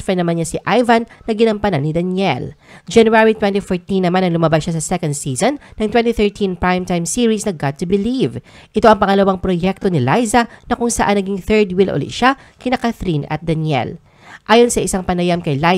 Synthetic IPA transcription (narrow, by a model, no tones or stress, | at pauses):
fɛnɐmanɲasɪʔajvɐnːɐɡɪnɐmpɐnɐnɪd̪ɐnjɛl | d͡ʒɐnjuaɹit̪wɛ̃nt̪ifoɹt̪ĩnːɐmanɐŋlʊmabasʃasɐsɛkɐnd̪siːzonːɐŋt̪wɛ̃nt̪iθɛɹt̪ʰĩnpɹajmt̪ajmsiːɹisnɐɡat̪ːʊbɪliv | ʔɪt̪o̞ʔɐŋpɐŋɐlɐwaŋpɾojɛk̚t̪o̞nɪlajzɐnɐkʊŋsɐʔanːɐɡiŋθɛɹd̪wilʔo̰lɪ̰ʃa | kɐɪjnɐkaθɾinɐ̰t̪̚d̪ɐnjɛ̰l | ʔaːjonsɐʔɪsaŋpɐnɐjamkɐjla